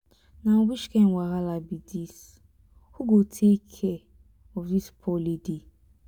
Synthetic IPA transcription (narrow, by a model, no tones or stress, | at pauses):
nawit͡ʃkɛnwaɦalabidis | huɡotʰekʰɛ | ɔfdispʰɔlede